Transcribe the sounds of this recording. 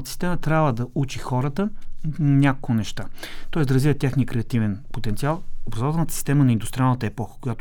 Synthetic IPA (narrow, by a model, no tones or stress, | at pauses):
t̪əsi̥st̪ɛmət̪ɾʲabvəd̪ɐut͡ʃixɔɾət̪ənʲako̥kʊnɛʃt̪at̪ɔɛsd̪ɐɾɐzvivət̪ʲjaxniəkɾɛɐt̪ivɛnpot̪ɛnt̪sialˠobɾɐzɔvt̪əlˠnət̪ə̥si̥st̪ɛmənɐind̪ʊst̪ɾialˠnət̪əɛpɔxə̥kʊjat̪ʊ